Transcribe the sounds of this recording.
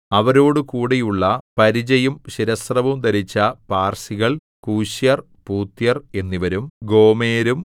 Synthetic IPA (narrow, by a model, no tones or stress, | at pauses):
ɐʋɐɾo̞ːɽɨkuːɽejuɭːɐpɐɾid͡ʑɐjumɕiɾɐsrɐʋumd̪ɐɾit͡ɕːɐpaːrsiɣɐɭ | kuːɕjɐr | puːt̪jɐre̞nːiʋɐɾumɡo̞ːmeːɾum